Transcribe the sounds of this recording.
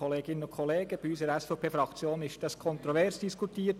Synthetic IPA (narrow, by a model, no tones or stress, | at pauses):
ɔleːɡɪnənʊnkʰɔleːɡəb̥iyːsəɾɛsfɛʊpʰeːfɾɑkt͡sjoːnɪʃd̥ɑskʰɔnt̪ɾɔvɛɾsd̥iskʰutiːt